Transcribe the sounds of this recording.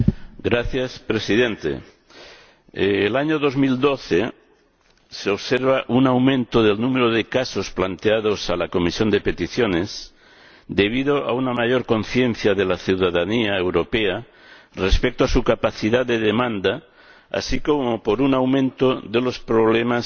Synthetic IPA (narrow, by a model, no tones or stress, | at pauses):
ɡɾaθjaspɾesið̞ent̪ḛ | laɲoðo̞zmild̪oθe | seoβseɾβ̞aʔunawmẽnt̪oðelnũmeɾoð̞ekaso̞splant̪eað̞osalako̞misjo̞nd̪e̞pe̞t̪iθjones | d̪e̞β̞iðoa̰unamaʝoɾko̞n̟θje̞n̟θjaðelaθiwðaðaniaewɾo̞pea | respek̚t̪oasukapaθiðad̪e̞ðemãnd̪a | a̰sikomopoɾunawmẽnt̪oðe̞lo̞spɾoβ̞lemas